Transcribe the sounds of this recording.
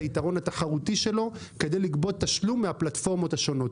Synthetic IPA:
itaʁo̞nhat̪aχaʁut̪iʃe̞lo̞ke̞d̪e̞jliɡbo̞d̚t̪ːaʃlumːeaplat̪fo̞ʁmo̞t̪haʃo̞no̞t̪

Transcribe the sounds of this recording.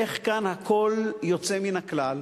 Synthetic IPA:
eχkanhakʰo̞ljo̞t͡se̞minaklal

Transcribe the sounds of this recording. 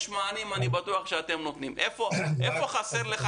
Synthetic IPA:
ʃmaːnimanibat̪uaχʃeat̪e̞mnot̪nimʔefo̞ʔefo̞χaseʁleχ

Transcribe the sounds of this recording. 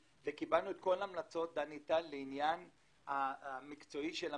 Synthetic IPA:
vekibalnuetko̞laːmlat͡so̞t̪̚d̪anit̪alleinjan | amikt͡so̞iʃela

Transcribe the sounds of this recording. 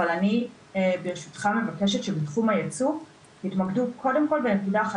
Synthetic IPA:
alani | beʁʃu̥tχame̞vake̞ʃetʃebetχumhajet͡suv | itmaɡdukʰo̞de̞mko̞lbenekidaːχa

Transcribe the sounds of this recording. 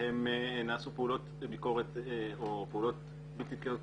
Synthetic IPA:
hemnaːsupeulo̞t̪biko̞ʁet̪opeulo̞t̪̚ | bit̪it̪keo

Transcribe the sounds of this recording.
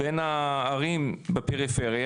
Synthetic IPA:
benaːʁimbepeʁifeʁja

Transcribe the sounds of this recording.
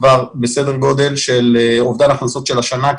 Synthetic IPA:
vaʁbese̞d̪eʁɡo̞d̪e̞lʃelovd̪alaχnuso̞t̪ʃelaʃana

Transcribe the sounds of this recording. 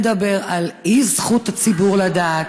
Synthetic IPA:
d̪abe̞ʁalizχutat͡sibuʁladaː

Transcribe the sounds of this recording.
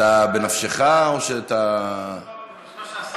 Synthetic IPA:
abenafʃeχao̞ʃeat̪a

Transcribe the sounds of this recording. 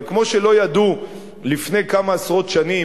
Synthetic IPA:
kmo̞ʃelo̞jad̪u | lifne̞jkamaːsʁo̞t̪ʃani

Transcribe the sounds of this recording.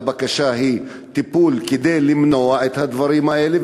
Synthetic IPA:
bakaʃaɦi | t̪ipulked̪ejlimnoaet̪had̪vaʁimaʔele

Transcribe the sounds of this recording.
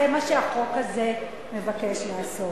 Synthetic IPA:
emaʃeaχokaze | mevakeʃleaso

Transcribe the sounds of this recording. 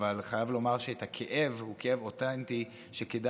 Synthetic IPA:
valχajavlo̞maʁʃeet̪hakʰeʔe̞vhukee̞votanti | ʃekeda

